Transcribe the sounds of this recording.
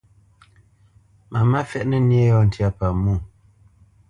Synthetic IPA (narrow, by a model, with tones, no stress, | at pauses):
ma˨ma˦fɛ˦ʔnə˦nje˦jɔ˦˨n̩˨tʰa˦pa˨mu˦˨